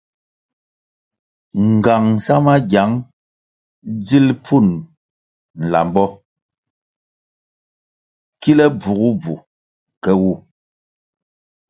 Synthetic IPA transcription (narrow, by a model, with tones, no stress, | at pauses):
ŋ˨ɡa˨ŋ˨sa˦ma˦ɡja˨˦ŋ | d͡zi˦lpʰu˦˨n | n̩˨la̰˨mbɔ˦ | ki˦lɛ˦b͡vu˨ɣu˦b͡vu˨ | kɛ˦wu˦˨